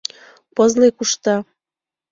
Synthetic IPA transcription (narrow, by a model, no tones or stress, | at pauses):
pɤzlekuʃt̪ɑ